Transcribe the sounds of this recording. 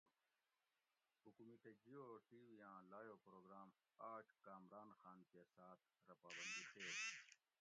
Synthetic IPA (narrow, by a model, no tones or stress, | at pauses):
ukumiʈed͡ʑioːʈiːʋijãːlaːjoːpɾoːɡɾaːm | aːʈʰkaːmɾaːnxaːnkesaːt̪̚ʰɾɐpaːbɐnd̪it̪ʰeː